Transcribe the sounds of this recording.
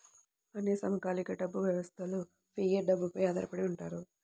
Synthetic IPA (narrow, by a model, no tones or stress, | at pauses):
ɐneːsɐmɐkaːlikɐɖɐbːuʋjɐʋɐst̪ʰɐlu | pʰiːjeɖɐbːupɐjaːd̪ɐɾɐpɐɽeuɳʈaːɾu